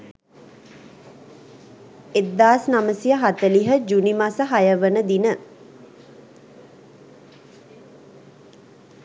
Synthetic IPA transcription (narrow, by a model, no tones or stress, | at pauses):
ed̪ːaːsnaməsijəɦat̪əliɦəd͡ʒunimasəɦajəʋənəd̪inə